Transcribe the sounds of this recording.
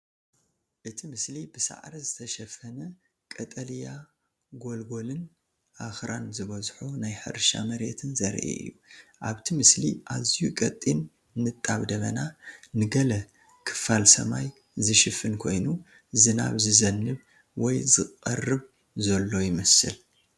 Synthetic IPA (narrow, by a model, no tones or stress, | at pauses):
ʔɨt̪ʰimɨslibɨsa̰ʕɾizɨt̪ʰɐʃɐfɐnɐ | kʼɐt̪ʼɐlija | ɡo̞lɡo̞lɨn | ʔaxɾanzɨβɐzħonajħɨ̰ɾʃa̰mɐɾet̪ʰɨnzɐɾʔḛɨ̰jːuʔaβt̪ʰimɨsliʔazijukʼɐt̪ʼːinː | ɨt̪ʼːaβd̪ɐβɐ̰nanɨɡɐlɐ | kʰɨ̥falsɐ̰maj | zɨʃɨfɨnkʰo̞jnu | zɨna̰βzɨzɐnːɨβ | wɔjzɨqʼɐ̰rːɨβ | zɐlːo̞jɪmɐsɨ̰l